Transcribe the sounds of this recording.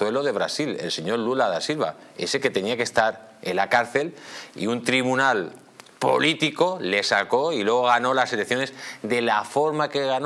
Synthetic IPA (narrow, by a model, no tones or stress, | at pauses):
we̞lo̞ðe̞β̞ɾasile̞̰lse̞ɲo̞ɾlulaðasilβa̰e̞̰se̞ke̞t̪e̞niake̞st̪aɾ | elakaɾθe̞lḭunt̪ɾiβunal | po̞̰lit̪iko̞le̞sako̞ilwe̞ɣ̞o̞ɣ̞ano̞lase̞lekθjo̞ne̞zd̪e̞lafo̞ɾmake̞ɣan